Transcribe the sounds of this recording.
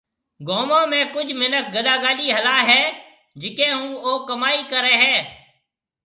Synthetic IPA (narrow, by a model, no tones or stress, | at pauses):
ɡoːmãːmẽːkʊd͡ʒʱmɪnək̚ʰɡəɗaːɡaːliːɦəlaːɦɛː | d͡ʒɪkẽːɦũːoːkəmaːiːkəɾẽːɦɛ̃ː